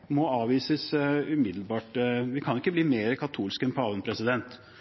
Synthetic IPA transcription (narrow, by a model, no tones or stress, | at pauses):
mɔɑːʋiːsəsʉmɪd̪l̩bɑːʈʋɪkʰɑnɪkːəbliːmeːɾəkʰɑt̪ʰuːlskɛnpʰɔɑːʋənpʰɾɛsɪd̪ɛnt̪